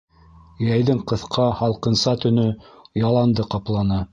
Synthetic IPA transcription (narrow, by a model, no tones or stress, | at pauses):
jæjðɘɴqɤ̆θqʰɑhɑlˠqɤ̆nsɑt̪ɵ̆nɵjɑlˠɑnd̪ɤqɑplˠɑnɑ